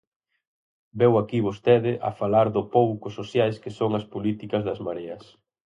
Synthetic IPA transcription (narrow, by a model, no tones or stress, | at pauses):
bɛwakiβ̞ost̪ɛðɪʔɐ̰falaɾðʊpowkʊsosjajskɪsoŋɐspolit̪ikɐzðɐzmaɾeɐs